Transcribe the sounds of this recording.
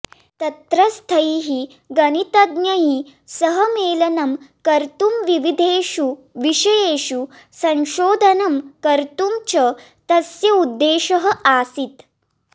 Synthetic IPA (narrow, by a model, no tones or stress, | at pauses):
t̪ɐt̪ɾɐst̪ʰɐjiɦi | ɡɐnit̪ɐd̪njɐɦisɐɦɐmeːlɐnɐmkɐɾt̪umʋiʋid̪ʱeːʃu | ʋiʂɐjeːʃu | sɐ̃nʃoːd̪ʱɐnɐmkɐɾt̪umt͡ʃɐ | t̪ɐsjɐud̪ːeːʃɐɦɐʔaːsit̪